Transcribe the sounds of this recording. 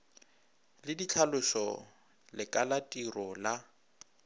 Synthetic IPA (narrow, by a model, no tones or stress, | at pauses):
lɪdit͡ɬʰalʊʃɔ | lɪkʼalatʼirɔla